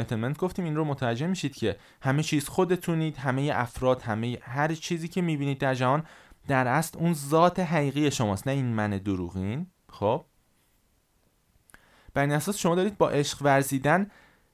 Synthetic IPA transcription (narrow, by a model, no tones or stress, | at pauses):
et̪ʰement̪̚ɡo̞ft̪iːmiːnromot̪ʰævæd͡ʒːe̞hmiːʃiːd̪̥̚cʰe̞ | hæme̞t͡ʃʰiːz̥xo̞d̪e̞t̪ʰuniːd̪̥ɦæme̞jeʔæfɾɒːd̪̥hæme̞jehæɾt͡ʃʰiːziːcʰe̞miːbiːniːd̪̚ːæɾd͡ʒæhɒːnd̪̥æɾʔæslunzɒːt̪ʰe̞ɦæʁiːɣije̞ʃomɒːst̪næiːnmæne̞d̪oɾṵːɣiːn | xob̥̚ | b̥æɾiːnæsɒːsʃomɒːd̪ɒːɾiːd̪̚bɒːʔe̞ʃɢvæɾziːd̪æn